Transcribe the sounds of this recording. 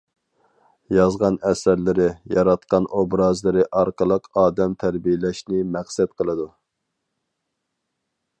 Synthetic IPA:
jɑzʁɑnɛsæɾlɪɾɪjɑɾɑt̪̚qɑnobɾɑzlˠɨɾɪʔɑɾqəlˠəqɑːd̪ɛmt̪ʰæɾbijɪlɛʃnɪmæχsɛt̪qʰəlˠɨd̪u

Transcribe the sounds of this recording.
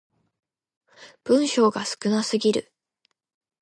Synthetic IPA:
b̥ɯ̟̃ɰ̃ɕo̞ːɡasɨ̥kɯ̟nasɨɡʲiɾɯ̟̰

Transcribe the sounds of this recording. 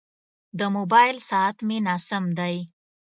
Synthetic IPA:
d̪əmobɑjlsɑat̪menɑsamd̪aj

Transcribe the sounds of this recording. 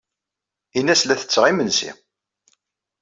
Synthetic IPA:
inːæslæθə̥t͡sːʁimənsḭ

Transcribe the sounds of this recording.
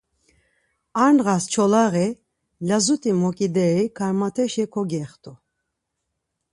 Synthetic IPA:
aɾnɣast͡ʃʰɔlaɣɛ | lazut̪ʼimɔkʼid̪ɛɾikʰaɾmat̪ʰɛʃɛkʰɔɡɛχt̪ʰʼu

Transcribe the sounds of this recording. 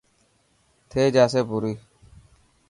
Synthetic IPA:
t̪ʰeːd͡ʒaːsepuɾiː

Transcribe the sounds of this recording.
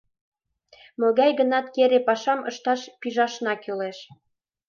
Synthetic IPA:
møɣɑjɣənɑt̪keɾepɑʃɑmɤ̰ʃt̪ɑʃpiʒɑʃnɑkøleʃ

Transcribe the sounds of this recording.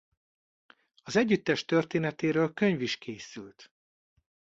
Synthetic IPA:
ɒzɛɟːyt̪ːɛʃt̪ørt̪eːnɛt̪eːɾøːlkø̞ɲviʃkʰeːsylt̪

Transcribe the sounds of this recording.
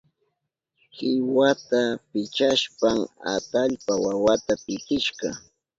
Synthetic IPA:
hɪwat̪apɪt͡ʃaʃpaŋa̰t̪aʎpawawat̪apɪkɪʃɢɑ

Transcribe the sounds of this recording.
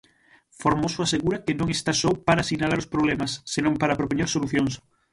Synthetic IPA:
foɾmosoaseɣuɾakenõŋest̪asɔpaɾasinalaɾʊspɾoβlɛmasːenõmpaɾapɾopoɲeɾsoluθjoŋs

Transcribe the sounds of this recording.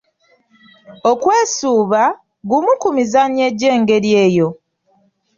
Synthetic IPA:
o̞kwe̞ːsuːβa | ɡumukumizanje̞ɟːe̞ːŋɡe̞ɾje̞ːjo̞

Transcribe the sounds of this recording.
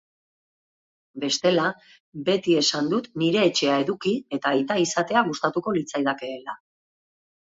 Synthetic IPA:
be̞st̪e̞la | be̞t̪ie̞sand̪ut̪niɾe̞ːt͡ʃe̞ae̞ðukie̞t̪ajt̪aisat̪e̞aɣust̪at̪uko̞lit͡sajðake̞ːla

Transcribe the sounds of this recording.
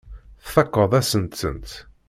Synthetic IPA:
θθɑqːəðˤæsənt̪sə̰nt̪

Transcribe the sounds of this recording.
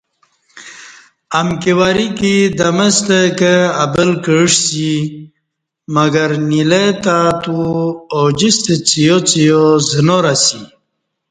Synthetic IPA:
ɐmkiwaɾikid̪ɐməst̪ekeɐbəlkəʂsi | mɐɡɐɾnilet̪at̪uod͡ʑist̪et͡sijot͡sijozənoɾasi

